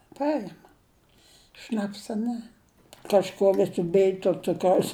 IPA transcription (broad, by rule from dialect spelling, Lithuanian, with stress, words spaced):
ˈpɐɪmɐ ˈʃnɑːpsɐ nʲɛ kɐʃˈkuɔ ˈʋʲɪsʲɪ ˈbʲɪj tuɔ ˈt͡sʊkrɐʊs